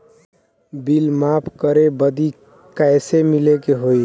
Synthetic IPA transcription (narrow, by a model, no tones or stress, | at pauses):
bilmapʰkəɾebəd̪i | kajsemilekeɦoj